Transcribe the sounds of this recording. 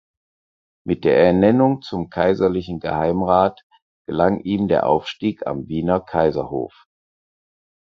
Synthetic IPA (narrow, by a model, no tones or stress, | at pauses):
mɪt̚d̥eːɐɛɐnɛnʊŋt͡sʊmkʰaɪzɐlɪçn̩ɡəhaɪmʁaːt | ɡ̥əlaŋʔiːmdeːɐʔa̰ʊfʃtiːka̰mviːnɐkʰaɪzɐho̰ːf